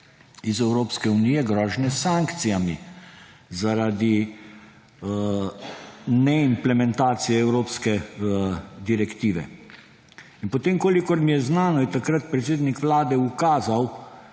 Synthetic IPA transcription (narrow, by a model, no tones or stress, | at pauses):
izɛwɾoːpskɛunijɛɡɾɔːʒnɛsaŋkt̪sijami | zaɾad̪i | nɛimplɛmɛnt̪aːt̪sijɛɛwɾoːpskɛ | d̪iɾɛkt̪iːʋɛ̰ | inpot̪eːmkoːlikɔɾmijɛznaːnɔit̪akɾat̪̚pɾɛt̪seːd̪nikʋlaːd̪ɛukaːzaw